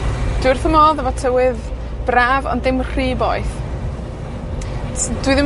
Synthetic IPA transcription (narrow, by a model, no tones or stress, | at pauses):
d̥wɪrθəmɔðavɔtʰəwɪð | b̥raːvɔ̰ndɪmr̥iːbɔ̰ɨθ | d̥wiðɪ